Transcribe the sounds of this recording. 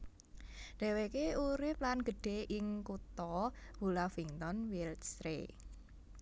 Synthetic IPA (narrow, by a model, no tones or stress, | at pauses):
ɖ̥ɛ̤wekeuɾɪp̚lanɡ̥ə̤ɖ̥e̤ʔɪŋkut̪ɔwulafiŋt̪ɔnwilsɾḛ